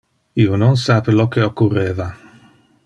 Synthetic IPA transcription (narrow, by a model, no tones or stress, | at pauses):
iːononsaːpelɔkːeokːurːeːva